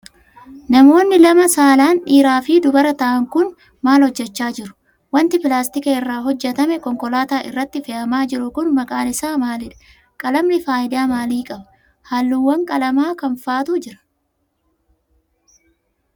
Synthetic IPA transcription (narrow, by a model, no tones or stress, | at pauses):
nɐmo̞ːnːɪlɐmɐsaːlaːnᶑiːɾaːfɪd̪ʊbɐɾɐt̪ɐʔɐŋkʊn | maːlhɔd͡ʒːɛt͡ʃːaːd͡ʒɪɾʊ̥ | wɐnt̪ɪpɪlaːst̪ɪkɐɪrːaːɦɔd͡ʒːɛt̪ɐmɛkɔŋkɔlaːt̪aːʔɪ̰rːɐt̪ːɪfɛʔɐmaːd͡ʒɪɾʊkʊnmɐkʼaːlɪsaːmaːlɪᶑɐ̥ | kʼɐlɐmnɪfaːjɪd̪aːmaːliːkʼɐbɐ | haːlːuːwːɐŋkʼɐlɐmaːkɐnfaːt̪ʊd͡ʒɪɾɐ̥